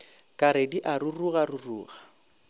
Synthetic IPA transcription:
kʼaɾediʔaruruɣaruruːɣa

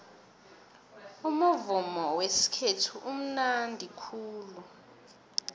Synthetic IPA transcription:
umuvumɔwesi̥kʰetʰuʔum̩nandʱikʰuːlu

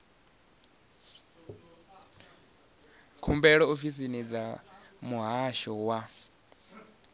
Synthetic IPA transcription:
kʰumbɛɺɔofis̬inid͡zamuɦaʃɔwa

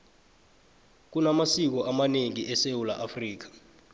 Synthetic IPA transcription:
k̬unamasik̬ɔʔamaneŋiʔɛsewula̰ʔafriːk̬ḁ

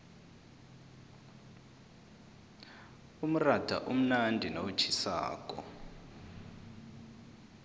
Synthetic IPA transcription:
um̩ratʰa̰ʔum̩nandʱinowut͡ʃʰisa̰ːkʼɔ̰

